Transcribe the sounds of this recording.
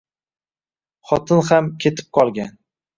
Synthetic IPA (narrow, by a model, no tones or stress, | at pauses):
χɒt̪ʰɪnhamkʲʰe̞t̪ʰɪ̥p̚qʰɒlˠɡʲan